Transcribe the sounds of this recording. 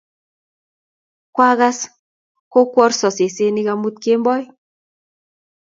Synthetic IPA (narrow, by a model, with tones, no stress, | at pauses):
kwa˦ɣa˦s | ko˦kwɔ˦rsɔ˨se˨se˦ni˦ɣa˧mu˦t̪̚ke˦mbɔ˦j